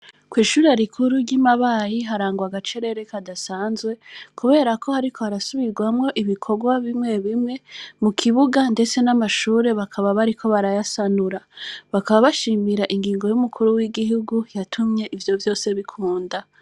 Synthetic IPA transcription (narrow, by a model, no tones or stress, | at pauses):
kwiːʃuːɾeaɾikʰuɾuɾɟimaβajiɦaɾaːŋɡwaɡat͡ʃe̞ɾe̞ɾe̞kʰadasaːnzwe̞kʰuβe̞ːɾako̞haɾikʰohaɾasuβiɡwamŋo̞ʔiβikʰo̞ɡwaβimŋe̞βimŋe̞mukʰiβuɡande̞t͡se̞namaʃuːɾe̞βakʰaβaβaɾikʰo̞βaɾajasanuɾaβakaβaβaʃiːmiɾaʔiŋɡiːŋɡo̞jumukʰuɾuwiɡiɦuɡujatʰumɲe̞ʔivjo̞vjo̞ːse̞βikʰuːnda